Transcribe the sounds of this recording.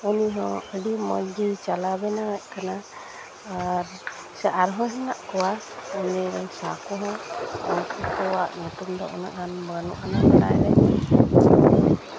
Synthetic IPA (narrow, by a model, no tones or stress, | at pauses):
uniɦɔ̃əɖimɔɲd͡ʒit͡ʃalabɛnawɛʔ̚kana | aɾ | saʔaɾɦɔ̃ɦɛnaʔkɔwa | əɲɛɾɔŋsakɔɦɔ̃ɔnkikɔwaʔnut̪umd̪ɔʔɔnaʔhanbanuʔanakana̰jɾɛ